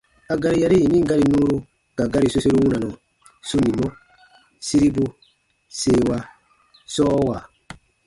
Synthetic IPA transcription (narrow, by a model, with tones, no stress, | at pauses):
a˧ɡa˦ɾi˦ja˦ɾi˦i˨nĩ˦ŋ˦ɡa˦ɾi˨nũː˦ɾu˦ | ɡa˨ɡa˦ɾi˨so˦so˦ɾu˦wũ˦na˨nũ˨ | su˦nĩ˨mo˦ | si˦ɾi˦bu˦ | seː˦˨wa˧ | sɔː˦wa˨